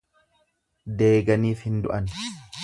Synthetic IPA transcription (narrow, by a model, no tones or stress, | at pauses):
d̪e̞ːɡɐniːfhɪnd̪ʊʔɐn